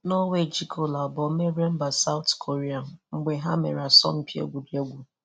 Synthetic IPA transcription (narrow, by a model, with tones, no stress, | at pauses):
no˦we˦˨d͡ʒi˦kʰo˨la˨bɔ˨˦me˦ɾe˦m̩˦ba˨sa˦ʊ˦tkʰo˨ɾi˦a˨ŋ͡m̩˦ɡ͡be˨ɦa˦me˨ɾa˨sɔ̰˦m̩˦pi˦o̰˦ɡʷu˨di˨o˦ɡʷu˨